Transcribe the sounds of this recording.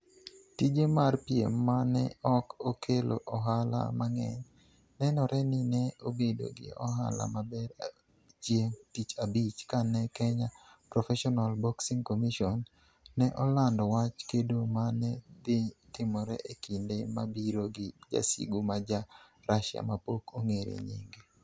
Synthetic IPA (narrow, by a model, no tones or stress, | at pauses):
tid͡ʒemarpjḛmːanɛ̰ɔkokʰelo̰ʔɔɦala̰maŋɛ̰ɲ | nɛnɔɾɛnɪnɛobedo̰ɡɪ̰ɔ̰ɦa̰la̰mabɛɾ | t͡ʃjemtit͡ʃabit͡ʃkanɛkɛɲapɾɔfɛʃɔnalbɔksiŋkomiʃɔnː | ɛʔɔlandɔwat͡ʃkedomanɛd̪ɪtɪmɔɾɛ̰ʔekindema̰biɾoɡɪd͡ʒa̰sḭɡumad͡ʒa | ɾaʃɪa̰mapokʰoŋeɾḛɲḭŋɡe